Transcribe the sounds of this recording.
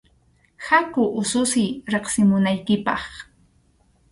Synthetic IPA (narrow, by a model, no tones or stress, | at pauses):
hakʊʔʊsʊsɪjɾeχsɪmʊnajkɪpɑχ